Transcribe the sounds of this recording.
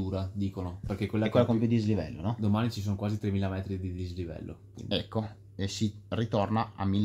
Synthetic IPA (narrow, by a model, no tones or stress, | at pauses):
uːɾad̪iːkonoperkekːwelːɛkːwelːakomp̬jud̪izlivɛ̰lːo̰nɔd̪omaːnit͡ʃis̬oːnkwaːzit̪ɾemːiːlamɛːt̪ɾid̪id̪izlivɛ̰lːʔo̰kwḭnd̪ɛikːo | esirit̪ornaa̰mːilː